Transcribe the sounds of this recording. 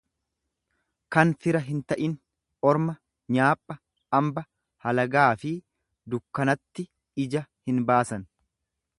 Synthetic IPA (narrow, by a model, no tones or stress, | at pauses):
kɐnfɪɾɐɦɪnt̪ɐʔɪn | ʔɔɾmɐ | ɲaːpʼːɐ | ʔɐmbɐ | hɐlɐɡaːfɪ | d̪ʊkːɐnɐt̪ːɪ | ɪd͡ʒɐhɪnbaːsɐn